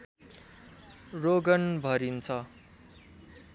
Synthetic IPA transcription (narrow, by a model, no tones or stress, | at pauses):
roɡʌnbʱʌɾint͡sʰʌ